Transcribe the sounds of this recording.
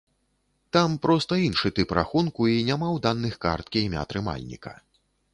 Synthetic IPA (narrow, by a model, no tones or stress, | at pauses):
t̪ampɾʔɔst̪ɐinʂɨt̪ɨpɾa̰xunkuinʲamawd̪anːɨxka̰rt̪̚kʲimʲa̰t̪ɾɨma̰lʲnʲḭkɐ̰